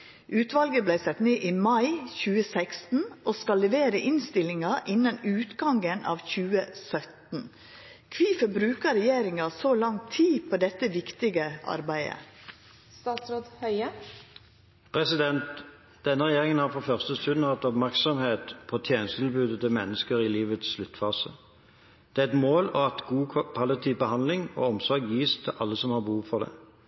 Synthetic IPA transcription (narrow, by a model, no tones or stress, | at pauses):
ʔʉːt̪ʋɑlɡəblæɪsɛt̪neːʔiːmɑɪçʉːəsækst̪n̩ʔoːskɑlːɛʋeːɾəʔɪnst̪ɪlɪŋɑʔɪnːɑnʉːt̪ɡɑŋɡənʔɑ̰ːʋçʉːəsœt̪n̩ | kʰʋiːfəbɾʉːkəɾɛjeːɾɪŋɑsolɑŋt̪ʰiːpʰod̪ɛt̪ːəʋɪkt̪ɪɡəʔɑ̰ɾbæɪə̰ | st̪ɑːt̪sɾoːd̪hœʏə | pʰʁɛsɪd̪ɛnt̪ | d̪̥ɛnːəʁɛjeːʁɪŋənhɑʁfɔʁfœʁst̪əst̪ʉd̪n̩hɑt̪ːɔpmæʁksɔmheːt̪pʰɔt̪ʰjeːnəst̪ʰɪlbʉːd̪ət̪ʰɪlmɛnːəskəʁɪliːʋət̪sʃlʉt̪ːfɑːsə̰ | d̪̥ɛæɛt̪moːlɔɑt̪ɡuːpʰɑlɪt̪ʰiːbəhɑnd̪lɪŋɔ̰ːɔmsɔɾɡjiːst̪ʰɪlʔɑlːəsɔmhɑʁbəhuːʋfɔʁd̪ɛ̰ː